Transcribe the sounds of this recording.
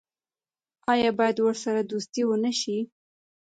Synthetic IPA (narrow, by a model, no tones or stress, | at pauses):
ɑjɑbɑjad̪wəɾsaɾad̪ust̪iwənəʃi